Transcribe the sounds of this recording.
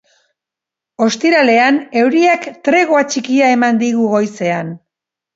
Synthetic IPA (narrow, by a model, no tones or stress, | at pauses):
o̞st̪iɾale̞ane̞wɾiakt̪ɾe̞ɣoat͡ʃikiae̞mand̪iɣuɣo̞jse̞an